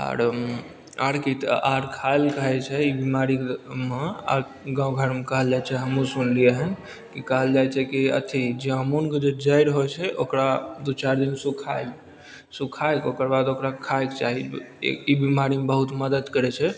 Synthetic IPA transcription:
a̰ɾ | aɽkit̪aɾkʰajlkəɦɛt͡ʃʰɛibimaɾikmea̰ɾ | ɡãũɡʱəɾmekəɦəld͡ʒat͡ʃʰɛɦəmũsunliəɦən | kikəɦəld͡ʒajt͡ʃʰɛkiə̰t̪ʰid͡ʒeamunked͡ʒed͡ʒəjɾɦojt͡ʃʰɛʔokɾad̪ut͡ʃaɾd̪insukʰajl | sukʰajkokəɾbad̪okɾakʰajkt͡ʃaɦḭ | ibimaɾimebəɦut̪məd̪əd̪kəɾɛt͡ʃʰɛ

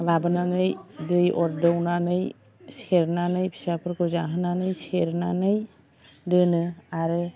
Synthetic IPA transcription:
labɯnanɯjdɯjɔɾdɯwnanɯj | seɾnanɯjpʰi̥sapʰɯɾkɯzaɦɯnanɯjseɾnanɯj | dɯnɯaɾɯ

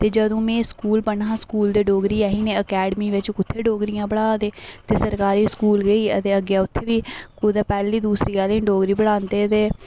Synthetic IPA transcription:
t̪eːd͡ʒəd̪õːmẽːskuːlbəɳãːskuːld̪eːɖoːɡɾiːaːɦĩːneːəkɛːɖmiːʋɪt͡ʃʊt̪ʰːeːɖoːɡɾijãːbəɽaːt̪eːt̪eːsəɾkaːɾiːskuːlɡəiːə̰t̪eːəɡejaːʊt̪ʰːeːʋiːkʊd̪aːpɛːliːd̪uːsɾiːkaːlẽɳɖoːɡɾiːbəɽaːnt̪eːt̪eː

